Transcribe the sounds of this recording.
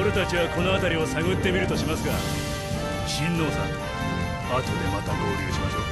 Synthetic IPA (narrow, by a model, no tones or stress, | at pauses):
oɾet̪at͡ɕiβako̞no̞at̪aɾʲio̞saɡɯ̟t̪ːe̞mʲiɾɯ̟t̪o̞ɕimasɨɡa | ɕĩnːo̞ːsãŋ | akʲi̥od̪emat̪adoːkiɡeɕimaɕo̞ː